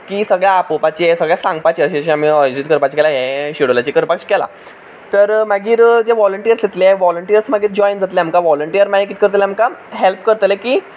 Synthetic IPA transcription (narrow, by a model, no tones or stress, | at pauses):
kiːsəɡɭjapopat͡ɕiesəɡɭjasãŋɡpat͡ɕiəɕiɕiam̤iəjod͡ʑut̪̚kəɾpat͡ɕkɛlaɦɛ̃ɕiɽolat͡ɕikəɾpakɕkɛla̰ | t̪əɾmaɡiːɾd͡zeʋɔləɳʈijəɾst̪et̪leʋɔləɳʈijəɾt͡smaɡiːɾd͡ʑɔjnd͡zat̪lɛamkaʋɔləɳʈijəɾmajekiːt̪kəɾt̪lamkaɦelpkəɾt̪lekiː